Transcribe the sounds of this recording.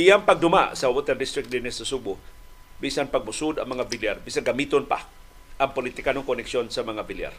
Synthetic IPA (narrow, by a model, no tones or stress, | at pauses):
ɪjaŋpɐɡ̚d̪ʊma̰sɐwot̪ɛɾd̪ɪst̪ɾɪk̚t̪̚d̪inɪsɐsubʊ | bisanpɐɡ̚mʊsud̪ɐ̰ŋmɐŋabɪljaɾbisanɡɐmiːt̪onpa̰ | ʔɐŋpolit̪ɪkanʊŋkonɛkʃonsɐmɐŋabilja̰ɾ